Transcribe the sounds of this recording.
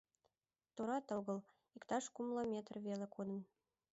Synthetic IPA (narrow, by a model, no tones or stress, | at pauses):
t̪uɾɑt̪ɤɣɤ̆l | ikt̪ɑʃkumlˠɤmʲet̪rβelekud̪ə̆n